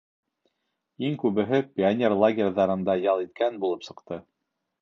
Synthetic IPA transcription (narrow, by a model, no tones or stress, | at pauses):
iŋkʉβɘ̆ɦɘpʲɪanʲerlˠaɡʲerʲðɑɾɤ̆nd̪ɑjɑlˠit̪̚kænbulˠɤpsɤ̆qt̪ɤ